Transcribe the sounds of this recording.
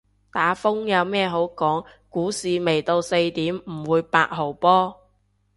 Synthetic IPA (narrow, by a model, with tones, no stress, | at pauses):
t̪aː˨˥fʊ˥ŋjɐ˨˧wmɛː˥˩ɦo˨˥wkɔː˨˥ŋkuː˨˥siː˨me˨˩jt̪o˧wse˧jt̪iː˨˥mm̩˨˩wuː˨˧jpa̰ː˧t̚ɦo˨˩wpɔː˥